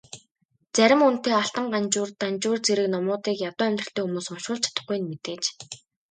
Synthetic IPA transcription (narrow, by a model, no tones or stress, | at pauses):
t͡sæɾʲɪ̆mun̥t̪eːaɬt̪ə̆ɴɢant͡ɕʊːrt̪ant͡ɕʊːrt͡seɾɘ̆knɔmʊːt̪iːkjat̪ʊːæmʲt̪rə̆ɬt̪eːxumuːsʊmʃʊːɮt͡ɕʰḁt̪ə̆χɡujɘ̆nmet̪eːt͡ɕ